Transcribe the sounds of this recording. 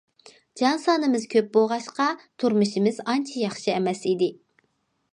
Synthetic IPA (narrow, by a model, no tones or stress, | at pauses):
d͡ʒɑnsɑːnɨmɪzkʲʰøp̚boʁɑʃqɑt̪ʰuɾmuʃimɪzɑnt͡ʃʰijɑχʃiɛmɛsid̪ɪ